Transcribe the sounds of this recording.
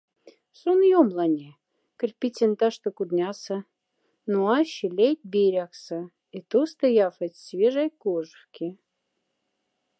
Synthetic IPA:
sonjomlˠɑnʲe | kə̆rʲpʲit͡sʲent̪ɑʃt̪ŏkud̪nʲɑsə̆ | noɑɕilʲejt̪̚ʲbʲeɾʲɑksə̆ | it̪ost̪əjɑfət͡sʲsʲvʲeʒɑjkoʒəxkʲe

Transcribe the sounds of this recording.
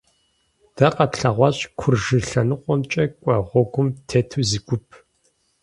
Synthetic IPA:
d̥ɐqɐtɬɐʁʷɑɕʼkʷʰʊrʒɨɬɐnɨqʷɔnt͡ʃʼɐkʷʼɐʁʷɔɡʷʊmtʰeːtʰuziɡʷʊpʰ

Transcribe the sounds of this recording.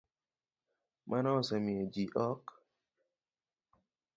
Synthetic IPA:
mʔanɔsɛmied͡ʒiʔɔk

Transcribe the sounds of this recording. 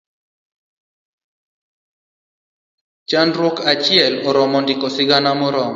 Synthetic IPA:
t͡ʃanɾwɔkat͡ʃɪɛlɔɾɔmɔndɪkɔsɪɡanamɔɾɔm

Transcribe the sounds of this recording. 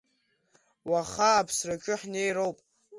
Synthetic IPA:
waχaːpʰsrakʲʼʊħnejrowpʼ

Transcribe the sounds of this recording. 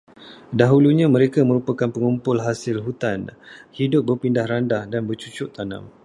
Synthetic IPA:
daɦuluɲãmə̃ɾekamə̃ɾupakanpəŋumpʊlɦasɪlɦut̪anhidʊp̚bərpindahɾandahdanbərt͡ʃut͡ʃʊʔt̪anã̰m

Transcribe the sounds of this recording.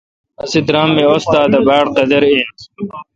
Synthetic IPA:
ɐsid̪ɾaːmːeost̪aːd̪ɐbaːɽqɐd̪ɐɾi

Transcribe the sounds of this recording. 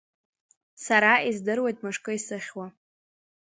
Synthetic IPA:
saɾaizdɨrwe̞jtʼmɨʂkʼɨisɨχʲwa

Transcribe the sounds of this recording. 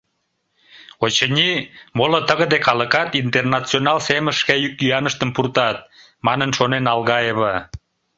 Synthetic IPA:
ot͡ɕənʲimolət̪əɣəd̪ekʰɑləkɑt̪int̪ernɑt͡sionɑlseməʃkæjykːyɑnəʃt̪əmpurt̪ɑt̪̚ | mɑnənʃonenɑlɣɑeβə

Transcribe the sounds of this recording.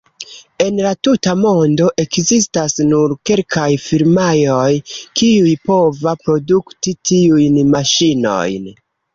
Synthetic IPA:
e̞nlatutamo̞ndo̞ʔe̞kzis̬tasnuɾke̞lkajfiɾmajo̞jkiujpo̞vapɾo̞duktitiujnmaʃino̞̰jn

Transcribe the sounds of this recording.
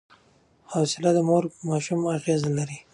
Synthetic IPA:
hasɪlad̪əmoɾmɑʃumaɣezalaɾi

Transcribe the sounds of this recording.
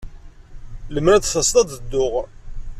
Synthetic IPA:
ləmɾæd̪θɑst̪ˤɑd̪əd̪ːʊʁ

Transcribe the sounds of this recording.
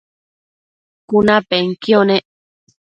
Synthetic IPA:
kunapeŋkioneʔ

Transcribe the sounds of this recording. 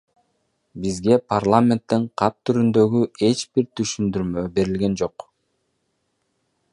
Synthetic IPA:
bizɡe̞pʰarlˠamʲe̞nt̪ːeɴqʰɑt̪̚t̪ːyɾynd̪ø̞ɡye̞t͡ʃbiɾt̪ʰyʃynd̪yɾmø̞be̞ɾilɡe̞nd͡ʒo̞q

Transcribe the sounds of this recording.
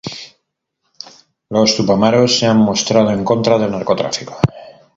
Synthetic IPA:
lo̞st̪upamaɾo̞sːeammo̞st̪ɾað̞o̞e̞ŋko̞nt̪ɾaðe̞lnaɾko̞t̪ɾa̰fiko̥

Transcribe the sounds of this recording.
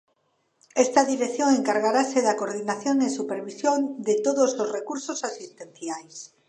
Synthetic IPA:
est̪aðiɾekθjoŋeŋkaɾɣaɾaseðakoɾðinaθjoŋesupeɾβisjond̪et̪oðososrekuɾsosasist̪ẽn̟θjajs

